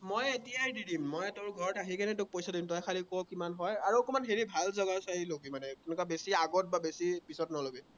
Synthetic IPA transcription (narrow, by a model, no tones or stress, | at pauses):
mojetijajdidimːɔjtʊɹɡʱɔɹɔtaɦikanɛt̬ʊk̚pojsaddimtɔjkʰalikɔwkimanɦɔjaɹuokɔmanɦeɹibʱalzɔɡasailoɡimanɛtunukabesiaɡɔt̚babesipisɔtnɔlobi